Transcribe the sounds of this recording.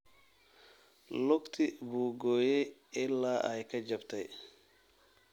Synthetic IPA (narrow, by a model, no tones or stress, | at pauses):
loktibuɡoːjɛɛlːaʔajkad͡ʒaptaj